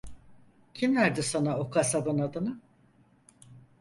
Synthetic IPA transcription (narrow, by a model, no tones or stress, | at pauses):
cʰimlʲæɾd̪isanaokʰasad̪ɯnad̪ɯnɯ